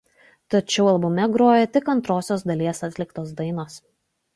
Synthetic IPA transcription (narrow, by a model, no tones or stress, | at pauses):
t̪ɐt͡ʃʲɛʊɐlˠbʊmʲɛɡɾoːjɛt̪ʲɪkɐnt̪ɾoːsʲoːsd̪ɐlʲiɛsɐt̪ʲlʲɪkt̪oːs̬d̪ɐɪnoːs